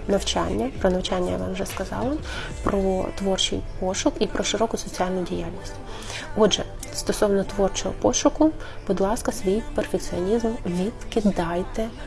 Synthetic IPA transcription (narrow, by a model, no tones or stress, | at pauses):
nɐwt͡ʃɑ̰nʲːɐpɾɔnɐwt͡ʃanʲːɐja̰ʋɑmwʒɛskɐzɑ̰lˠɐpɾɔt̪ʋɔrt͡ʃɪ̰jpɔʃʊkipɾɔʃɪɾɔkʊsɔt͡sʲiɑlʲnʊjdʲijalʲnʲisʲtʲ | ɔdʒɛ | st̪ɔsɔwnɔt̪ʋɔrt͡ʃɔɦɔ̰pɔʃʊkʊb̥ʊd̪lˠɑskɐsʋʲijperfek̚t͡sʲiɔnʲizmʋʲid̪kɪd̪ɑjt̪ɛ